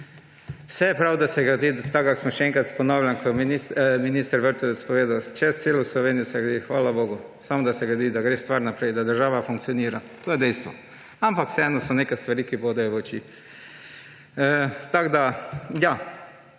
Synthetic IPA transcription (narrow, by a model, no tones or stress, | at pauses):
wsɛjɛpɾawd̪asɛɡɾad̪it̪aɡaksmɔʃɛɛŋkɾat̪spɔnawljankʰɔminiminist̪əɾʋəɾt̪ɔʋet̪spɔʋeːd̪awt͡ʃɛst̪seːloslɔʋeːnijɔsɛɡɾɐd̪ixʋaːlaboːɡusamɔd̪asɛɡɾɛd̪id̪aɡɾeːst̪ʋaɾnapɾɛjd̪ad̪əɾʒaːʋafuŋk̪̚sijoniːɾat̪oːjɛd̪ɛjst̪ʋɔ | ampakw̥sɛɛːnɔsɔnekɛst̪ʋaɾiːkipod̪ajɔʋot͡ʃiː | t̪aɡd̪aja